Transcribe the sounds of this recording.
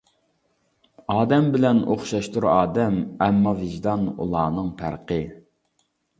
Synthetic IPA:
ɑːd̪ɛmbɪlɛno̰χʃɑʃt̪uɾɑːd̪ɛmɛmːɑvɪʒd̪ɑnṵlˠɑːnɨŋpʰæ̰ɾqʰə

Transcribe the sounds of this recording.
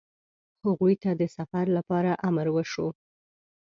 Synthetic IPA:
haɣujt̪ad̪əsafaɾlapɑɾaʔamaɾwəʃo

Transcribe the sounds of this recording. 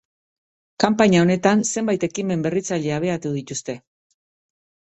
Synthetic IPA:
kampaɲao̞ne̞t̪anse̞mbajt̪e̞kime̞mbe̞rit͡saʎe̞aβ̞e̞at̪uð̞it̪ust̪e̞

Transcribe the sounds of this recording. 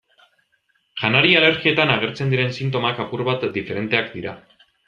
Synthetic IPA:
ʝanaɾiale̞ɾɣie̞t̪anaɣ̞e̞ɾt͡se̞nd̪iɾe̞nsint̪o̞makapuɾβat̪d̪ife̞ɾe̞nt̪e̞akd̪iɾa̰

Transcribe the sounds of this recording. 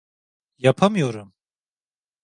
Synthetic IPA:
japʰamɨjoɾum

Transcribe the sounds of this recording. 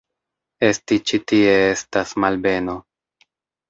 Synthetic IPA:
e̞stit͡ʃitie̞estasmalbe̞no̞

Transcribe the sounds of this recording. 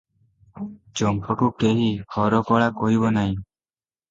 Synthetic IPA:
d͡ʒɔmpɔkuk̚ʈeɦihʰɔɾɔkɔɭakɔɦibɔnaɦĩ

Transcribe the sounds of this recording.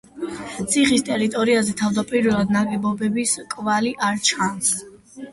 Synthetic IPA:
t̪sʰiχist̪ʼɛɾit̪ʼɔɾiazɛt̪ʰavd̪apʼiɾvɛlˠad̪naɡɛbɔbɛbiskʼvaliʔaɾt͡ʃʰans

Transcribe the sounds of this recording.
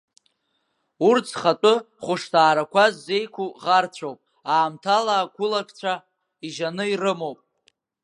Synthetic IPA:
urt͡sʰχatʼʊ | χʷʊʂtʰaːɾakʷʰazːe̞jkʷʰuʁart͡ɕʷʰowpʼ | aːmtʰalaːɡʷʊlakʰʼt͡ɕʷʰa | iʒanɨirɨmowpʼ

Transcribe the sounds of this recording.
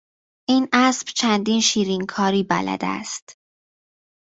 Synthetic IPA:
ʔiːnʔæsb̥t͡ʃʰænd̪iːnʃiːɾiŋkʰɒːɾiːbæ̰læ̰d̪æ̰st̪

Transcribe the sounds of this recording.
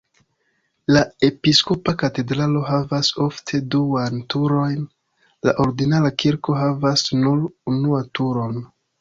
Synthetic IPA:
lae̞pisko̞pakate̞dɾalo̞ɦavaso̞ftʰe̞duantuɾo̞jn | la̰ʔo̞ɾɡinalakiɾko̞ɦavasnuɾunuatuɾo̞n

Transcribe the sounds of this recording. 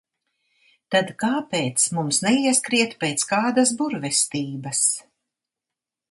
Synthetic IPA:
t̪ad̪kaːpeːt̪smumsnɛiɛskɾiɛt̪pɛːt̪skaːd̪asbuɾvɛst̪iːbɐs

